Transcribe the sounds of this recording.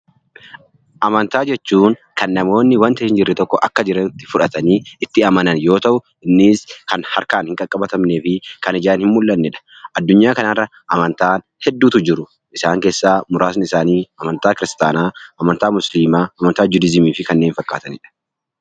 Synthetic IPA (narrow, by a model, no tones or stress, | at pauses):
ʔɐmɐnt̪aːd͡ʒɛt͡ʃːuːŋkɐnːɐmo̞ːnːɪwɐnt̪ɐhɪnd͡ʒɪrːɛt̪ɔkːɔʔɐkːɐd͡ʒɪɾɐnt̪ːɪ̥fʊᶑɐt̪ɐniːɪt̪ːɪɐmɐnɐnjo̞ːt̪ɐʔʊ | ɪnːiːskɐnhɐɾkaːnhɪŋkʼɐkʼːɐbɐt̪ɐmneːfɪkɐnɪd͡ʒaːnhɪmmʊlːɐnːɛᶑɐ̥ | ʔɐd̪ːʊɲːaːkɐnɐrːɐ | ʔɐmɐnt̪aːn | hɛd̪ːuːt̪ʊd͡ʒɪɾʊ | ʔɪsaːŋke̞ːsːaːmʊɾaːsnɪsaːniːɐmɐnt̪aːkɪɾɪst̪aːnaːʔɐmɐnt̪aːmʊsliːmaːɐmɐnt̪aːd͡ʒʊd̪ɪzɪmiːfɪkɐnːe̞ːnfɐkːa̰ːt̪ɐnɪᶑɐ̥